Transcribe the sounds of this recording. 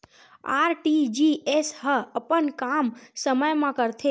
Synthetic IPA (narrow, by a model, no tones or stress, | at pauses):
aːɾʈid͡ʒiesɦəəpənkamsəməjmãkəɾt̪ʰe